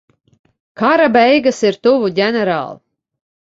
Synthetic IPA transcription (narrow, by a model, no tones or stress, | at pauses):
kaɾabɛjɡasiɾt̪uvuɟʲɛnɛɾa̰ːlˠ